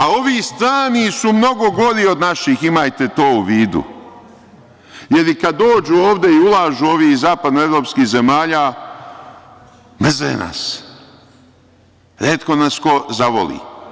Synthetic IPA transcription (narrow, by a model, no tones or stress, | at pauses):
ao̞ʋiːst̪ɾaːnisumno̞ɡo̞ɡo̞ɾio̞d̪naʃiximajt̪e̞t̪o̞ːuʋiːd̪ṵ | je̞ɾikad̪ːo̞ːd͡ʒuːoːʋd̪e̞iulˠaːʒuo̞ʋiːzaːpad̪noe̞ʋɾo̞ːpskiːze̞maːʎaː | mr̩zḛna̰s | ɾeːt̪ko̞nasko̞zaʋo̰lḭː